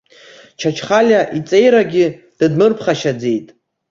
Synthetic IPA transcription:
t͡ʃʰat͡ʃʰχalʲaʔit͡sʼe̞jɾaɡʲɪ | d̥admɨrpʰχaʃad͡ze̞jtʼ

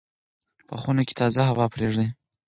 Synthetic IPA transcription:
pəxunoke̥t̪ɑzaɦawɑpɾeʐd̪i

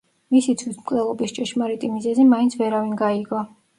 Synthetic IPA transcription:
misit̪sʰwit̪ʰmkʼlɛlˠɔbist͡ʃʼɛʃmaɾit̪ʼimizɛzimaintsʰvɛɾavinɡaiɡɔ

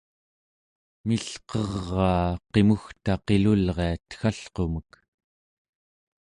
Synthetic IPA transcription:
miɬqʌʁːɑːqe̞muxt̪aqe̞lulʁe̞at̪xaɬqo̞mək

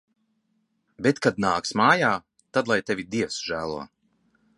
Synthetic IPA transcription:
bet̪kad̪̚naːksmaːjaː | t̪ad̪lˠajt̪evʲid̪iɛwsʒ̥æːlˠṵː

